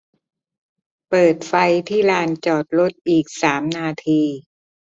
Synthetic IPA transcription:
pɤː˨˩t̪̚fa˧jt̪ʰiː˥˩laː˧nt͡ɕɔː˨˩t̪̚ɾo˦˥t̪̚ʔiː˨˩k̚saː˩˦mnaː˧t̪ʰiː˧

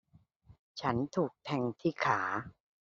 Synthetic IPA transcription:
t͡ɕʰa˦˥nt̪ʰuː˨˩k̚t̪ʰɛ˧ŋt̪ʰiː˥˩kʰaː˩˦

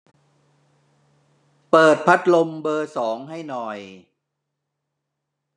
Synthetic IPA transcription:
pɤː˨˩t̪̚pʰa˦˥t̪̚lo˧mbɤː˧sɔː˩˦ŋɦa˥˩jnɔː˨˩j

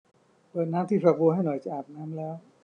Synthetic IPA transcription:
və˨˩naː˧mt̪ʰi˨˩faː˨˩k̚vo˧˦ɦa˧˩jnɔ˨˦jt͡ɕa˧˦ʔaː˨˩p̚naː˧mlaː˧˩

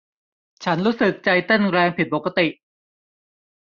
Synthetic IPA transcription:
t͡ɕʰa˦˥nɾuː˦˥sɯ˨˩k̚t͡ɕa˧jt̪e˥˩nɾɛː˧ŋpʰi˨˩t̪̚po˨˩ka˧t̪i˨˩ʔ

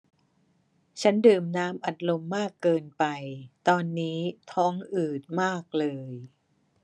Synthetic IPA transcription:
t͡ɕʰa˦˥ndɯː˨˩mnaː˦˥mʔa˨˩t̪̚lo˧mːaː˥˩kːɤː˧npa˧jt̪ɔː˧nːiː˦˥t̪ʰɔː˦˥ŋʔɯː˨˩t̪̚maː˥˩k̚lɤː˧j

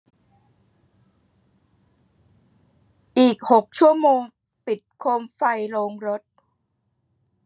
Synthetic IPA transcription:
ʔiː˨˩k̚ho˨˩k̚t͡ɕʰu˥˩əmoː˧ŋ | pi˨˩t̪̚kʰoː˧mfa˧jɾoː˧ŋɾo˦˥t̪̚

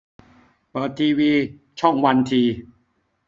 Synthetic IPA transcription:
pɤː˨˩t̪ʰːiː˧wiː˧ | t͡ɕʰɔ˥˩ŋwa˧nt̪ʰiː˧

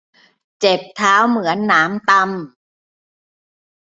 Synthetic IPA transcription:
t͡ɕe˨˩p̚t̪ʰaː˦˥wmɯ˩˦ənːaː˩˦˥mt̪a˧m

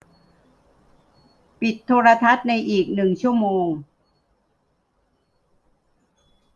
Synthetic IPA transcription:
pi˨˩t̪ʰːoː˧ɾa˧t̪ʰa˦˥t̪̚na˧jʔiː˨˩k̚nɯ˨˩ŋt͡ɕʰu˥˩əmoː˧ŋ

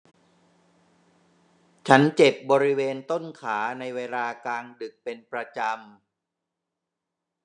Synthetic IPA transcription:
t͡ɕʰa˦˥nt͡ɕe˨˩p̚bɔː˧ɾi˦˥weː˧nt̪o˥˩nkʰaː˩˦na˧jweː˧laː˧klaː˧ŋdɯ˨˩k̚pe˧npɾa˧t͡ɕa˧m

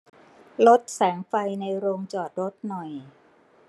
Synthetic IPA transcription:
lo˦˥t̪̚sɛː˩˦ŋfa˧jna˧jɾoː˧ŋt͡ɕɔː˨˩t̪̚ɾo˦˥t̪̚nɔ˨˩j

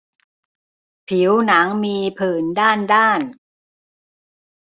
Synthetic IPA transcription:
pʰi˩˦wna˩˦ŋmiː˧pʰɯː˨˩ndaː˥˩ndaː˥˩n

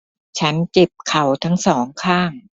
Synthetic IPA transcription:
t͡ɕʰa˦˥nt͡ɕe˨˩p̚kʰa˨˩wt̪ʰa˦˥ŋsɔː˩˦ŋkʰaː˥˩ŋ

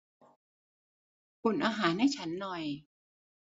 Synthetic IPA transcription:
pʰu˨˩˦nʔaː˧ɦaː˩˦nːa˥˩jt͡ɕʰa˦˥nːɔ˨˩j

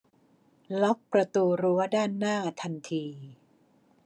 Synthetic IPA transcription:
lɔ˦˥k̚pɾa˧t̪uː˧ɾu˦˥ɐdaː˥˩nːaː˥˩t̪ʰa˧nt̪ʰiː˧

